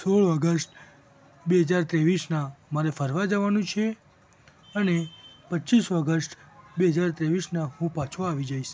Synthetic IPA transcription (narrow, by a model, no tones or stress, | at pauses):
soɭəɡəsʈ | beɦəd͡ʒaɾt̪ɾeʋisnamaɾefəɾʋad͡ʒəʋanũt͡ʃʰe | ənepətːʃiʃəɡəsʈbeɦəd͡ʒaɾt̪ɾeʋisnaɦũpat͡ʃʰoaʋid͡ʒaiʃ